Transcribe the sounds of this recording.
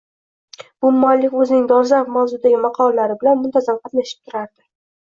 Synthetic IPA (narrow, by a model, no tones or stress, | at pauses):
b̥ʊmːalːɪkʲɵzɪnɪŋd̪ɒɾzanfmawzʊd̪aɡʲɪmɑqʰɒllaɾɪbɪlanmʊnt̪ʰazamqʰɑt̪naʃɪ̥p̚t̪ʰʊɾaɾd̪ɪ